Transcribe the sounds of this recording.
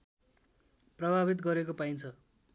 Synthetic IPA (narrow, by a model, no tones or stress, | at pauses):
prʌbʱabit̪̬ɡʌɾekopajnt͡sʰʌ